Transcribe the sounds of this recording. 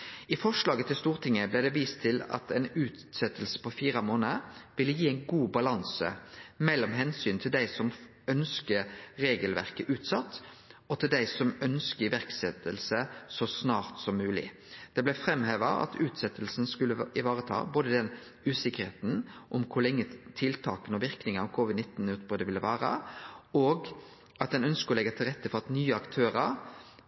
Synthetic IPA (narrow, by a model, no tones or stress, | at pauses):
ɪfɔʂlɑːɡət̪ʰɪlst̪uːʁt̪ʰɪŋːəblæɪd̪ɛʋiːst̪ʰːɪlɑ̰t̪ʰɛnʉːt̪sɛt̪ːəlsə̥pʰɔfiːʁɑmoːnəʋɪlːəjiːæɪnɡuːbɑlɑnsə̰mɛlːɔmɦɛnsyːnt̪ʰɪld̪æɪsɔm | œnskəɾɾeːɡəlʋæ̰ʁkəʔʉːt̪sɑt̪ː | ɔt̪ʰɪld̪æɪsɔmœnskəʋæʁksɛt̪əlsəsɔsnɑːʁt̪sɔmːʉːlɪ̰ | d̪̥ɛblæfɾɛmheːʋɑɑ̰t̪ʰʉːt̪sɛt̪ːəlsn̩skʉlːəɪʋɑːʁət̪ʰɑ̰ːboːd̪əd̪ɛn | ʉːsɪkəʁheːt̪n̩ʔɔmkʰʊlɛŋːət̪ʰɪlt̪ʰɑːkənɔʋɪʁknɪŋɑʋkʰoːʋɪd̪nɪt̪ːn̩ʉːt̪̚bʁød̪əʋɪlːəʋæːʁə̰ɔːɡ | ɑt̪̚d̪ɛnœnskəɔlɛɡːɑt̪ʰɪlʁɛt̪ːəfɔʁɑt̪nyːəɑkt̪ʰøːʁəɾ